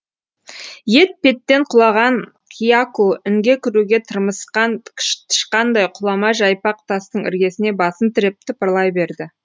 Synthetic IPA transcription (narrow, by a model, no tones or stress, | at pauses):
je̞t̪̚pe̞t̪ːe̞ɴqʰʊlˠɑʁɑɴ | qʲʰijakuʏŋɡʲe̞kʲʰɪɾuɡʲe̞t̪ʰəɾməsqɑt̪ʰɪ̥ʃqɑnd̪ɑjqʰʊlˠɑmɑʒɑjpɑq̚t̪ʰɑst̪əɴɪ̰ɾɡʲe̞sɪne̞bɑsənt̪ʰɪɾep̚t̪ɪpəɾlˠɑjbe̞ɾd̪ɪ